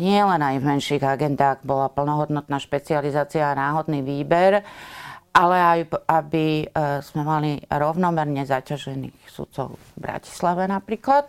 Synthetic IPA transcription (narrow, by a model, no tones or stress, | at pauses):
ɲɪɛlɛnajvmɛnʃiːɣaɡɛnd̪aːɣbɔlapl̩nɔɦɔd̪nɔt̪naːʃpɛt͡sializaːt͡siaːnaːɦɔd̪niːʋiːbɛɾ | ʔalɛajabiz̥mɛmaliɾɔʊnɔmɛɾɲɛzacaʒɛnḭːxsṵt̪sɔ̰ʊ | bɾa̰ci̥slaʋɛnapɾiːklat̪